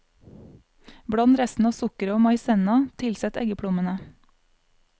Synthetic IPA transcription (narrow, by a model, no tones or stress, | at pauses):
bɽɑnt̪ɾɛst̪n̩ɑːsʊkəɾəoːmɑɪsɛnɑt̪ʰɪlsɛt̪ɛ̰ɡəpʰɽʊmənə